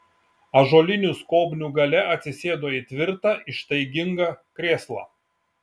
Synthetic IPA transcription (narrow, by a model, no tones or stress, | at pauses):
ɐʒoːlʲɪnʲuˑskoːbʲnʲuːɡɐlʲɛɐt̪ʲsʲɪsʲeːd̪oːit̪ʲʋʲɪɾt̪ɑʔɪʃt̪ɐɪɡʲɪŋɡɐkɾʲeːslˠɑ̰ː